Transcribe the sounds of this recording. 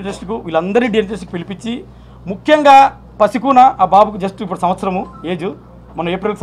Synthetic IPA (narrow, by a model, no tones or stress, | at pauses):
ʈɾɐsʈikuʋiːlɐnd̪ɐɾniɖijɐnʈɾɐsʈikupilipit͡ʃːi | mukʰjɐŋɡaː | pɐsikuːnɐʔaːbaːbukud͡ʒɐsʈuipːuɽɐsɐmʋɐt̪sɐɾɐmueːd͡ʒu | mɐnɐmeːpɾilkus